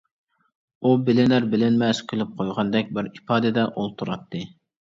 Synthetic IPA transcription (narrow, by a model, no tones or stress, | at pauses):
ubɪlɪnæɾbɪlɪnmɛskʲʰylɪp̚qʰojʁɑnd̪ɛk̚ʲbɪɾipɑːd̪ɨd̪ɛʔolˠt̪ʰuɾɑt̪ʰːɨ